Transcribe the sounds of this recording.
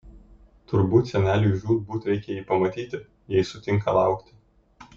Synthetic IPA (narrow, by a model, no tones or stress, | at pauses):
t̪ʊɾbuːt̪sʲɛnʲæːlʲɪjʒʲuːd̪̚buːt̪ɾʲɛɪkʲɛjiːpɐmɐt̪ʲiːt̪ʲɪ | jɛɪsʊt̪ʲɪŋkɐ̰lˠɑ̰ˑʊkt̪ʲɪ